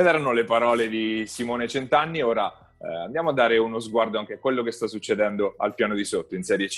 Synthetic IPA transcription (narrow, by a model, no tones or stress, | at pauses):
ed̪ɛːɾanolepaɾɔːled̪isimoːnet͡ʃent̪anːioːɾa | a̰nd̪jaːmoad̪ːaːɾeunozɡward̪oaŋk̟eakːwelːokest̪asːut͡ʃːed̪ɛnd̪oa̰lpjaːnod̪isot̪ːoinsɛːɾje